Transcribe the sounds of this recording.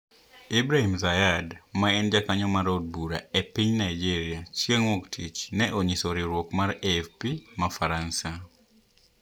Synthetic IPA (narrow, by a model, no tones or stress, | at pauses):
ibɾahimzajadmaɛnd͡ʒakaɲɔmaɾod̚buɾa̰epiɲnaɪd͡ʒiɾiat͡ʃieŋwɔktʰit͡ʃnɛʔoɲisoɾiɾwɔkmaɾɛfpimafaɾansa